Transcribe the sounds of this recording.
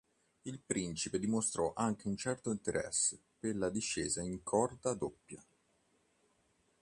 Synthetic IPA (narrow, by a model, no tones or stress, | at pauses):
ilpɾint͡ʃiped̪imost̪ɾɔʔaŋk̟eunt͡ʃɛrt̪oint̪eɾʔɛ̰sːe | pelːad̪iʃːeːzaiŋkʰɔrd̪ad̪opːja